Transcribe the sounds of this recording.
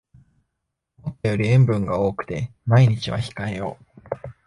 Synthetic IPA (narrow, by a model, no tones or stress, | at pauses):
mot̪ːajo̞ɾʲiẽ̞mbɯ̟̃ŋɡao̞ːkɯ̟̥t̪e̞maiɲ̟it͡ɕiβa̰çi̥kae̞jo̞̰ː